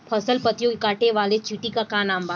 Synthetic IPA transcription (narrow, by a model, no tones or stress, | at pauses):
pʰɐsəlpət̪jõkekaːʈeʋaːlet͡ʃiːʈikakaːnãːmbaː